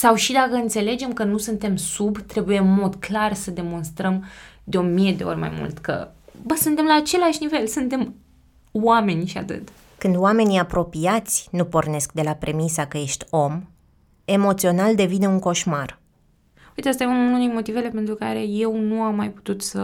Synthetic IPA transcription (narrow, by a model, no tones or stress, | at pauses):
sawʃid̪akəɨnt̪se̞le̞d͡ʒe̞mkənusunt̪e̞msubt̪ɾe̞bujeɨnmo̞d̪klarsəd̪e̞mo̞nst̪ɾəmd̪eo̞mije̞d̪e̞̰o̞̰rʲma̰jmṵlt̪kə̰bəsunt̪e̞mlaːt͡ʃe̞laʃʲnive̞lsɨnt̪e̞m | wame̞nʲʃia̰t̪ɨ̰t̪ | kɨnd̪owame̞niapɾo̞piat̪sʲnupo̞rne̞sk̚d̪e̞lapɾe̞misakəje̞ʃt̪ʲo̞m | e̞mo̞t̪sio̞nald̪e̞vineuŋko̞ʃmar | ujt̪east̪ajememununejmo̞t̪ive̞le̞pe̞nt̪ɾukaɾe̞je̞wnuamːajpu̥t̪ut̪sə